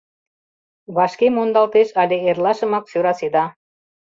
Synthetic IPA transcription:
βɑʃkemond̪ɑlt̪eʃɑlʲeerlɑʃə̆mɑk̚søɾɑsed̪ɑ

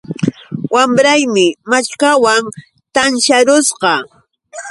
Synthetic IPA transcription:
wamɾajmɪmat͡ʃkawaŋ | t̪anʃaɾʊsqɑ

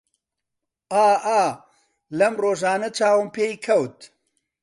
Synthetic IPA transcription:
ʔaːʔaː | lɐmroːʒaːnɐt͡ʃaːwɨmpeːjkʰɐwt̪

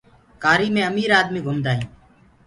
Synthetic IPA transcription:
kaːɾiːmẽːəmiːɾaːd̪miːɡʱʊmd̪aːɦĩː

